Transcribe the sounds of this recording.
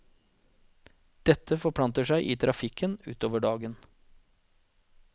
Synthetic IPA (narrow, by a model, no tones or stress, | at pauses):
d̪̥ɛt̪ʰːəfɔpʰlɑnt̪əʂæɪʔiːt̪ʰɾʔɑfɪkʰənʉ̰ːt̪oːʋəɖɑːɡən